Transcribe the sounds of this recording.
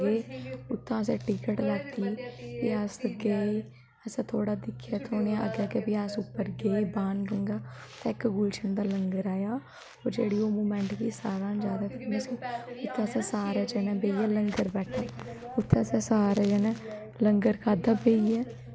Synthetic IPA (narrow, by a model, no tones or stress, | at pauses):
ɡeːʊt̪ʰːãːəsɛ̃ːʈɪkəʈlaːt̪iːbiəsɡeː | əsãːt̪ʰoːɽaːd̪ɪkʰːjaːt̪ʰoːneaə̰ɡɛːɡeːbiasʊpːəɾɡeːbaːnɡə̃ŋɡaːt̪ɛːɪkɡult͡ʃənd̪aːləŋɡəɾaːjaː | oːɾd͡ʒeːɽiːoːmuːmɛ̃ːɳʈʋiːsaːɾãːnd͡ʒjaːd̪aːkəɾneːsiːʊt̪ʰːãːəsɛ̃ːsaːɾɛːd͡ʒɛːnɛ̃ːbeːiːɛːləŋɡəɾbɛːʈʰːaː | ʊt̪ʰːɛ̃ːəsɛ̃ːsaːɾɛːd͡ʒɛːnɛ̃ː | ləŋɡəɾkʰaːd̪aːbeːiːɛː